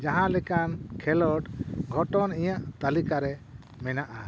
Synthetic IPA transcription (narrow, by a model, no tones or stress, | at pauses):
d͡ʒaɦãlɛkankʰɛlɔʈɡʱɔʈɔnijaʔt̪alikaɾɛ | mɛnaʔa